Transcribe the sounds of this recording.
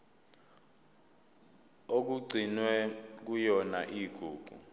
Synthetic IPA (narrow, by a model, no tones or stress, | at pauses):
ok̬uɡ͡ǀʱinwɛk̬ujɔnaʔiːɡ̥ʱuːɡʱṵ